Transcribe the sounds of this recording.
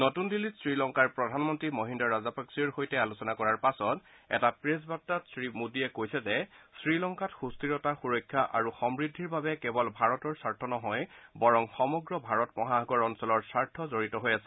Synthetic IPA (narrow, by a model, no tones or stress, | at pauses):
notundilitsɹilɔŋkaɹpɹɔdʱanmɔntɹimoɦindɔɹazapaksiɔɹxojtɛalusɔnakɔɹaɹpasɔt | ɛ̰tapɹesbatːatsɹimudiɛkojsɛzɛsɹilɔŋkatxustiɹɔtaxuɹɔjkʰːjaʔa̰ɹuxɔmɹidʱːiɹbabɛkɛbɔlbʱaɹɔtɔɹsaɹtʰɔnɔɦɔjbɔɹɔŋxɔmɔɡɹɔbʱaɹɔtmɔɦaaɡɔɹɔnsɔlɔɹsaɹtʰɔzoɹitɔɦojasɛ̥